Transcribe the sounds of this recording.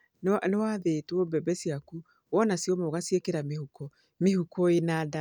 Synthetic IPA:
nanewaðetwɔbɛbɛsiaku | wɔnasiɔmaɣasiekeɾamehukɔ | mehukɔenada

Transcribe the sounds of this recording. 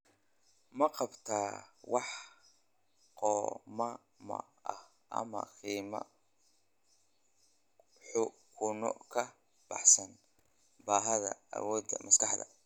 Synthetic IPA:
mɐqɑbt̪ʰaːwɑħ | qɔːmɐ | mɐ̰ | ʔɐh | ʔɐ̰mɐqiːmɐ̰ | ħʊ | kʰʊnɔ̰kʰɐ | b̥ɑ̰ħsɐn | baːɦɐðɐɐ̰wɔːd̪ɐmɐskɑħd̪ɐ̰

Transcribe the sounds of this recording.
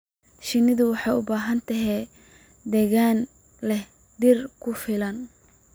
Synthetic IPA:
ʃɪnːɪðʊwɑħɑjʊbaːɦɐnt̪ʰɐɦɛː | d̪ɛːɣaːn | lɛ | d̪ɪrkʰʊfɪlɐn

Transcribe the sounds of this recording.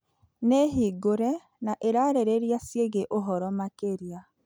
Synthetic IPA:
neɦiɡoɾɛ | naʔeɾaːɾeɾeɾjasjeɣeʔoɦɔɾɔmakeɾia

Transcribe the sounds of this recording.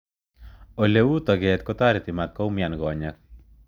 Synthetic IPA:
olewut̪ɔɡɛt̪̚kɔt̪aɾɪt̪ɪmat̪̚kɔumjanɡɔɲak̚

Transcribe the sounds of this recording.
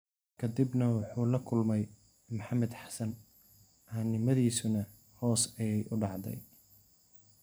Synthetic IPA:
kʰɐd̪ɪbnɐwɑħuːlɐkʰʊlmɛj | mʊħɑmɛd̪ħɑ̥sɐn | ʔanɪmɐðiːsʊnɐ | hɔːsɛjɛjʔʊɖɑʕd̪ɛ̰j

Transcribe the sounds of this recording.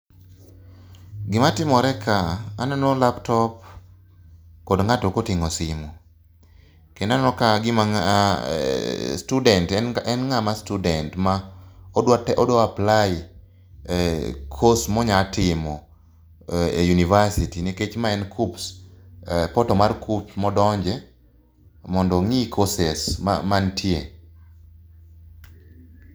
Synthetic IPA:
ɡɪmatɪmɔɾɛkʰaa̰nɔnolaptɔp̚ | kɔdŋatokotɪŋɔsɪmu | kendanɔnɔkaɡɪma | studɛntɛnŋamastudɛntma | tɛʔɔdoapla | kʰosmɔɲatʰɪmɔ | ejunivasitiniket͡ʃmaɛnkʰups | pɔtɔmarkʰupsmɔdɔɲd͡ʒɛ | mɔndɔŋikʰosesma̰mantʰje

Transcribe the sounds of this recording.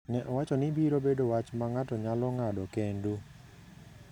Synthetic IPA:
nɛʔɔwat͡ʃɔnɪbiɾobedowat͡ʃmaŋatɔɲalɔŋadɔkendu

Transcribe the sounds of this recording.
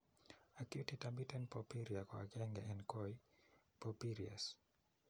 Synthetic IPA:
akjutitambitɛnpɔpiɾiakwa̰kɛŋɡɛɛnkɔi | pɔpiɾia̰s

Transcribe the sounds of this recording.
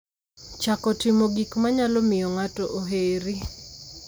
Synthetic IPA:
t͡ʃakɔtɪmoɡikmaɲalɔmɪjɔŋatɔʔoɦeɾi

